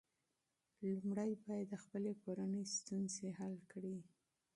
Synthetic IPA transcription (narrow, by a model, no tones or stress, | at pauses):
lumɽajbɑjad̪ːəxpəlekoɾanəjst̪unzehalkɽi